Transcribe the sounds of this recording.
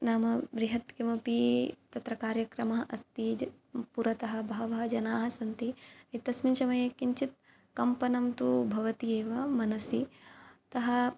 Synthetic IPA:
naːmɐʋɾiɦɐt̪kimɐpit̪ɐt̪ɾɐkaːɾjɐkɾɐmɐɦɐʔɐst̪id͡ʒ | puɾɐt̪ɐɦɐbʱaːʋɐɦɐd͡ʒɐnaːɦɐ̆sɐnt̪iɾit̪ɐsminʃɐmɐjɐkiɲt͡ʃit̪̚ | kɐmpɐnɐmt̪ubʱɐʋɐt̪ieːʋɐmɐnɐsit̪ɐɦɐ

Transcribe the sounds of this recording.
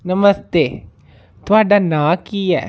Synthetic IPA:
nɐmɐst̪eː | t̪ʋaɖɐnaːkijɐ̰

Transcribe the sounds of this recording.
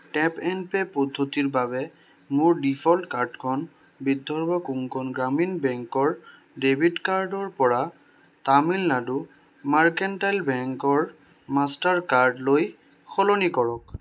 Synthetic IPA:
ʈɛpɛnpepɔdʱːotiɹbaβɛ | mʊɹdipʰɔltkaɹdkʰɔn | bidʱːɔɹbakuŋkɔnɡɹaminbɛŋkɔɹ | debʱidkaɹdɔɹpɔɹa | tamilladu | maɹkɛntajlbɛŋkɔɹ | mastaɹkaɹdloj | kʰɔlɔnikɔɹɔk̚

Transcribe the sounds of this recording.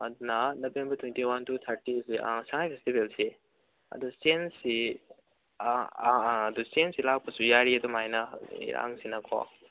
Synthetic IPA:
ɐd̪unɐnobembɐɾtʰwentiwantʰut̪ʰaɾtisiʔa̰ŋsaŋajpʰestibelsi | ɐ̰dustensi | dustensilak̚pɐsujaɾiɐdumajnɐḭɾa̰ŋsinɐkʰɔ̰

